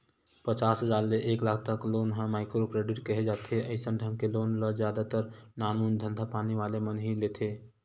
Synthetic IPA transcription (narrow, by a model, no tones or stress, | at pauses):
pət͡ʃasɦəd͡ʒaːɾleʔeːklaːk̚ʰt̪əkloːnɦə̃maːɪkɾopɾeɖiʈkəɦed͡ʒat̪ʰeəɪsənɖʱəmkeloːnləzd͡ʒjad̪at̪əɾnaːnmund̪ʱə̃nd̪ʱapaniʋalemənɦilet̪ʰe